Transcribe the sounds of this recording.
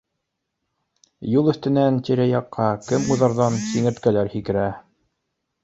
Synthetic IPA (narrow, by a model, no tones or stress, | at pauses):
julˠɵ̆θt̪ɘ̆nænt̪iɾæjɑqːɑkɘmuðɑɾðɑnsiŋɘ̆ɾt̪̚kælæɾhikɘ̆ɾæ